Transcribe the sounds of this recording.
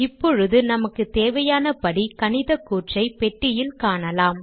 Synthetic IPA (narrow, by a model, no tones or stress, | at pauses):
ɪpːɔɻɯðɯnɐmɐkːɯt̪eːʋɐjaːnɐpɐɽikɐnɪðɐkːuːʈrɐɪpɛʈːɪjɪlkaːɳɐlaːm